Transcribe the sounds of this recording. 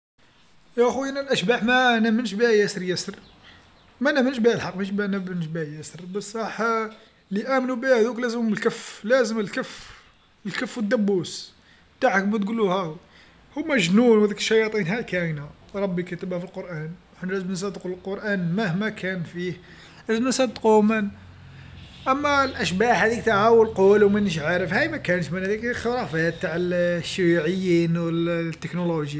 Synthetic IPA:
jæʔxujænælʔæʃbaħmænæmənʃbihæjæsɾjæsɾ | mænæmənʃbihælħɑqːmæʃbihænæmənʃbihæjæsɾbəsˤɑħ | liʔæmnubihæd̪uklæzəmməlkæflæzəməlkəf | əlkəfːwəd̪ːæbːus | t̪aʕəkmæt̪ɡulːuhæ | humæʒnunwhæd̪ikəʃːɑjɑt̪ˤinhækæna | ɾˤɑbːikət̪əbhæfilqoɾˤʔæn | ħnɾæzmns̬ˤɑd̪quləlqoɾˤʔænmæhmækʰænfih | æzmənsˤɑd̪qumən | ʔæmːælʔæʃbahæd̪ik̚t̪aʕawəlqolwmænəʃ̬ʕaɾəfhæjmækænət̪mænhæd̪ikxəɾˤɑfæt̪̚t̪ːaʕəlʃʕəjːinwət̪ːəknoloʒja

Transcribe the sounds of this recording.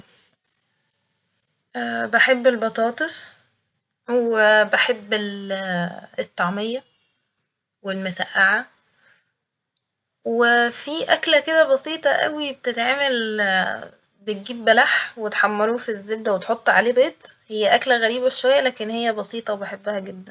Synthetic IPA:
ʔæːbeħebːelbɑt̪ˤɑːt̪ˤes | webeħebːe | et̪ˤːɑʕmejːɑ | welmʊsæʔːaʕa | wefiʔæklæked̪æbɑsiːt̪ˤɑʔæ̰wibet̪et̪ʕaːmel | bet̪̚ɡiːbːælaħwet̪ħɑmːɑɾufizːeb̚d̪æwet̪ħot̪ˤːʕa̰leːbeːt̪hejːæʔæklæɣæɾiːbæʃowæjːælæːkenhejːæbɑsiːt̪ˤɑwebeħebːæhæɡed̪ːæn

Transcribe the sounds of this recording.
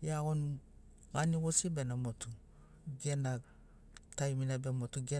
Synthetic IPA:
jaɡon | ɡaniɡosibenamotʰu | ɡena | tajminabemotuɡe

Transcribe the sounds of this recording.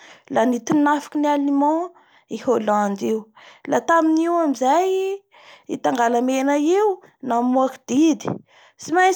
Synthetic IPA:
lanit̪inafi̥kinialimɑ̃ | iholãnd̪iwlat̪aminiwamizaj | it̪aŋɡalamenaiw | namuaki̥d̪̥id̪i | simaj

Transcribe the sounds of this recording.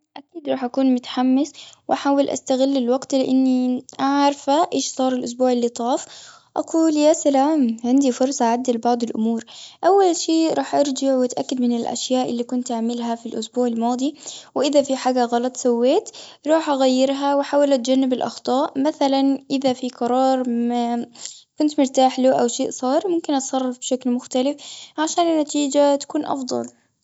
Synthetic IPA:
ʔakiːd̪ɾˤɑːħʔakuːnmʊt̪ḁħamːɪswʔaħaːwɪlʔa̰st̪aɣɪlːɪlwɑɡt̪lɪʔɪnːiʔaʕɾˤfaʔeːʃsˤɑːɾˤɪlʔʊs̬buːʕɪlːit̪ˤɑːf | ʔɑ̰quːljaːsalaːmʕɪnd̪ifʊɾˤsˤɑʕad̪ːalbɑʕd̪ˤɪlʔʊmuːɾʔawːalʃeːɾˤɑːħʔɑɾˤd͡ʒɑʕwʔat̪ʔakːad̪mɪnɪlʔa̰ʃjaːʔɪlːikʊnt̪ʔaʕmɪlɦafilʔʊsbuːʕɪlmɑːd̪ˤiwʔɪðafiħaːɡaɣɑlɑt̪ˤsawːeːt̪ɾˤɑːħʔaɣajːɪɾɦawɪħaːwalat̪̚d͡ʒanːɪbɪlʔɑ̰xt̪ˤɑːʔmaθalanʔɪðafiqɑɾˤɑːɾˤakʊnt̪mʊɾt̪aːħluːʔawʃeːʔsˤɑːɾˤmʊmkɪnʔɑt̪sˤɑrˤːɑfbʃaklmʊxt̪alɪfʕaʃaːnɪnːat̪iːd͡ʒat̪ḁkuːnʔɑ̰fd̪ˤɑ̰l

